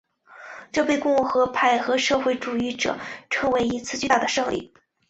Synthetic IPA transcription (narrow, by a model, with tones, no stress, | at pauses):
ʈ͡ʂɤ˥˧pe˥˧ɪkʊ˥˧ŋu˥˩xɤ˧˥pʰa˥˩ɪxɤ˧˥ʂɤ˥˧xwe˥˩ɪʈ͡ʂu˨˩i˥˩ʈ͡ʂɤ̰˨˩ʈ͡ʂʰɤ˧˥ŋwe˧˥ɪi˧˥t͡sʰɹ̩˥˧t͡ɕt̪a˥˩d̪ə˩ʂɤ˥˧ŋlḭ˥˩